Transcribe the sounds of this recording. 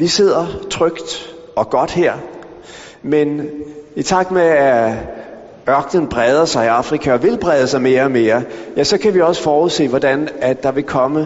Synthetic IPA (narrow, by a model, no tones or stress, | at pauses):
ʋise̝ð̞̰ˠɐt͡sʰʁœɡ̥d̥ | ɒ̽ɡ̥ɒ̽d̥heɐ̰ | menit͡sʰɑ̈ɡ̥meæ | ɶɐɡ̥nənb̥ʁɛð̞ˠɐsɑ̈ɪiɑ̈fʁikʰæɒ̽ʋe̝lb̥ʁɛːð̞ˠəsɑ̈ɪme̝ːɐɒme̝ːɐjæsɒ̽kʰæʋiɒ̽sə̥fɒːuðˠse̝̰ːʋɒdænæd̥ːɑ̈ʋe̝kʰɒ̽mə